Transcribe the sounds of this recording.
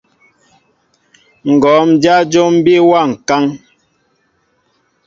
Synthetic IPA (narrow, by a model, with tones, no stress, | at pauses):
ŋ̩˨ɡɔ˨˦m̩˨d͡ʒa˦d͡ʒo˦m̩˦bi˦wa˦˨ŋ̩˨ka˦ŋ